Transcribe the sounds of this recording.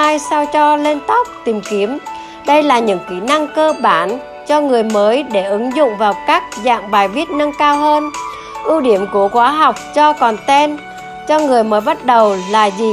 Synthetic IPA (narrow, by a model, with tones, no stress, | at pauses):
aː˧jsa˧wt͡ɕɔ˧le˧nt̪ə˦˥k͡p̚t̪i˨˩mki˨˦əm | ɗə˧jlaː˨˩ɲɨ̰˧˥ŋki˨˦na˧ŋkəː˧ɓaː˧˩n | t͡ɕɔ˧ŋɨ˨˩əjməː˨˦jɗe˧˩ʔɨ˨˦ŋzʊ̰˧˨ŋ͡mvaː˨˩wkaː˦˥k̚za̰ː˧˨ŋɓaː˨˩jvi˦˥ət̚nə˧ŋkaː˧wɦəː˧n | ʔu˧ɗi˧˩əmku˧˩əxwaː˨˦ɦa˨˩wk͡p̚t͡ɕɔ˧kɔ˨˩nt̪ɛ˧n | t͡ɕɔ˧ŋɨ˨˩əjməː˨˦jɓa˦˥t̚ɗə˨˩wlaː˨˩zi˨˩